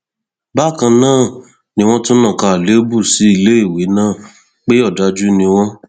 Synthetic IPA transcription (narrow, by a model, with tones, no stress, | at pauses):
ba˦˨kã˧nãː˦˨ | nĩ˧w̃ɔ̃˦to˦nã˦˨ka˧˨le˨˦bu˦˨si˨˦i˧le˦i˦˨we˨˦nãː˦˨ | k͡pe˦ɔ˦˨da˨˦d͡ʒu˦nĩ˧w̃ɔ̃˦